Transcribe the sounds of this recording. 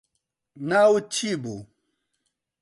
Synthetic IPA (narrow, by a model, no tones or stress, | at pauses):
nawut͡ʃʰibu